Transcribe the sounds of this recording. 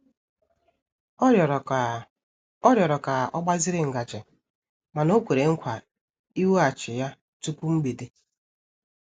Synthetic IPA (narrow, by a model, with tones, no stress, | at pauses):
ɔ˦ɾjɔ˨ɾɔ˨ka˨ʔɔ˦ɡ͡ba˦zɪ˦ɾɪ˦ŋ̩˨ɡa˨t͡ʃɪ˨ | ma˨no˦kʷe˨ɾe˨ŋ̩˦kʷa˨ | i˦wu˦a˨t͡ʃɪ˨ja˦ | tu˦pu˦ŋ͡m̩˦ɡ͡be˨de˦